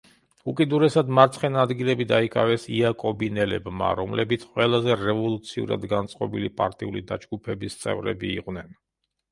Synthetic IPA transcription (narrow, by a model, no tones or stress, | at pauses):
ukʼid̪uɾɛsad̪maɾt̪sʰχɛnad̪ɡilɛbid̪aikʼavɛsiakʼɔbinɛlɛbma̰ɾɔmlɛbit̪sʰqʼwɛlˠazɛɾɛvɔlˠut̪sʰiṵɾa̰d̪ɡant̪sʼqʼɔbilipʼa̰ɾt̪ʼiulid̪ad͡ʒɡupʰɛbist̪sʼɛ̰vɾɛ̰biːqʼnɛn